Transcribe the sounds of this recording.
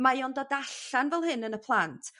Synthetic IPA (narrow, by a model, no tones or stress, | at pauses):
majɔndɔdaɬanvɛlˠhɨnənəpʰlˠantʰ